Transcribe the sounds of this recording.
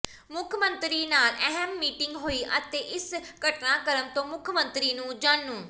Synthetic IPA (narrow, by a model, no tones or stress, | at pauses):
mʊkʰmənt̪ɾiːnaːləɦɛmːiːʈɪŋɡɦoːiːʔət̪eːʔɪsɡəʈnãːkəɾəmt̪õːmʊkʰmənt̪ɾiːnũːd͡ʒãːɳːũː